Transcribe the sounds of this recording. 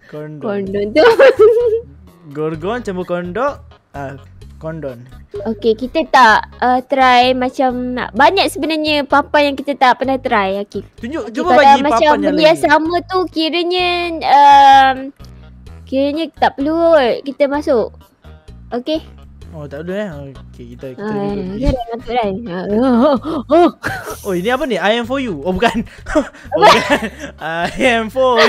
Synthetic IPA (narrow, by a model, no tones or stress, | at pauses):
kɔndkɔndɔnt̪u | ɡɔrɡɔnt͡ʃəmbəkɔndɔʔ | a | kɔndɔnokekit̪ət̪aʔət̪əɾajmat͡ʃamna̰ʔbaɲaʔ̚səbənarɲəpampajaŋkit̪ət̪aʔpənaht̪əɾajakit̪uɲd͡ʒuʔukadamːat͡ʃaməniasamət̪ukiɾəɲəəm | kiɾəɲət̪aʔpəluəərkit̪əmasʊʔ | okeot̪aʔpəluaokekit̪əakadamat̪ʊʔlaja | ooiniapəniajɛ̃mfɔjuobukan | kanajɛmfɔ